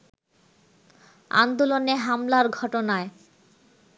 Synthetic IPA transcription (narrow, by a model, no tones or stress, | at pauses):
a̰nd̪oloneɦamlaɾɡʱɔʈonae